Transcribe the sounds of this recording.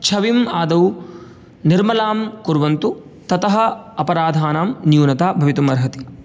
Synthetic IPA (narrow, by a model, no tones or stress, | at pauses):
t͡ʃʰɐʋimaːd̪ɐw | niɾmɐlaːmkuɾʋɐnt̪ut̪ɐt̪ɐɦɐ̆ɐpɐɾaːd̪ʱaːnaːmnjuːnɐt̪aːbʱɐʋit̪umɐɾɦɐt̪i